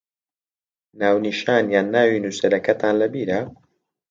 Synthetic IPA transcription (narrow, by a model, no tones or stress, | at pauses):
naːwniʃaːnjaːnːaːwiːnuːsɐɾɐkɐt̪ʰaːnlɐbiːɾɐ